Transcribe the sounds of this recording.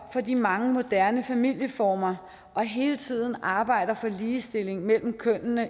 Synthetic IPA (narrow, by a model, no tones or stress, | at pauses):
fɒ̽d̥ḭmɑ̈ŋəmo̝d̥æɐnəfæmil̰jəfɒːmɐ | ʔɒ̽ɦe̝ːlət͡sʰið̞̰ˠn̩ɑ̈ːb̥ɑ̈ɪ̰d̥ɐfɒ̽liːsd̥e̝l̰e̝ŋmel̰m̩kʰœn̰nə